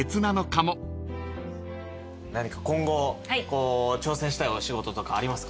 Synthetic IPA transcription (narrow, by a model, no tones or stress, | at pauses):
e̞t͡sɨnano̞kamo̞ | naɲ̟ikḁkõ̞ŋɡo̞akoːt͡ɕo̞ːsẽɕi̥t̪aio̞ɕiɡo̞t̪o̞t̪o̞kaːɾʲimasɨ̥k